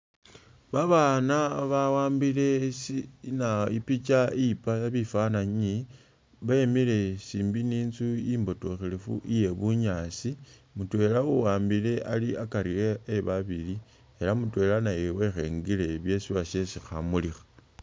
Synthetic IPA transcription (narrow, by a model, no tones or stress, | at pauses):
βaβanaβawaːmbile̞snaipit͡ʃaipaβifanaɲi | βemile̞siːmbiniːnzuimbo̞to̞xelefṵʔije̞βuɲasi | mutwe̞lauwaːmbile̞ʔa̰liakaɾieːβaβili | e̞lamutwe̞lanajewe̞xe̞̰ŋɡile̞βje̞siβaʃe̞sixamulixḁ